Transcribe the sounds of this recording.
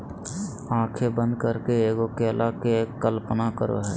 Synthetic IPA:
ãːkʰebə̃nd̪̚kəɾkeeːɡokeːlʔakekkːəlpənakəɾo̰ɦɛː

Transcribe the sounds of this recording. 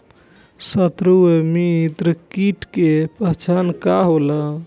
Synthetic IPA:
sət̪ɾuemit̪ɾəkiʈkepət͡ʃʰankaɦola

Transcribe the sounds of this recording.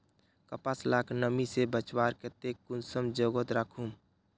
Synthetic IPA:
kəpaslaːkʰnəmisebət͡ʃwaːɾket̪eːkːʊnsəmd͡ʒoːɡət̪ɾakʰũm

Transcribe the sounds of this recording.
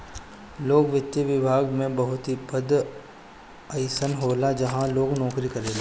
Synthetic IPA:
loːɡʋɪt̪ːjiʋɪbʱaːɡmẽbɐɦʊt̪ɦipəd̪ | ɐɪsənɦoːlad͡ʒɐɦãloːɡnɔːkɾikɐɾeːla

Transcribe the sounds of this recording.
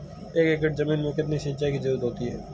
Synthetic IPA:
eːkeːkɪʈzɐmĩːnmẽkɪt̪niʃɪ̃nt͡ʃaːikizɐɾuːɾəd̪ɦoːt̪iɦɛ̰ː

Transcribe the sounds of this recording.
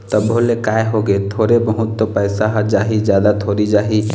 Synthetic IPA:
t̪əbʱolekaeɦoɡet̪ʰoːɾebəɦʊt̪ːɔpəɪsaɦd͡ʒaːɦid͡ʒjad̪at̪ʰoɾid͡ʒaːɦi

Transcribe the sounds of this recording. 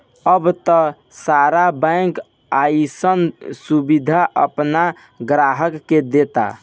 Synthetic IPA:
əbt̪ə | saɾabə̃ŋk | ajsənsubid̪ʱaʔə̰pna | ɡɾaɦəkːed̪et̪a̰

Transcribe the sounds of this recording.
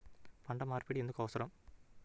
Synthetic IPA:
pɐɳɖɐmaːrpeɽiɛnd̪ɯkoːʋsɐɾɐm

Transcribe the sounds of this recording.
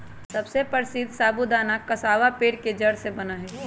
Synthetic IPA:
sɐbsepɐɾsid̪saːbud̪aːnakɐsaːʋapeːɾked͡ʒɐɽsebɐnaɦɛː

